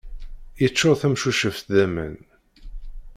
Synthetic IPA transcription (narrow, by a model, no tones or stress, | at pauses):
jət͡sːoɾθæmʃuʃəft̪ðæmə̰n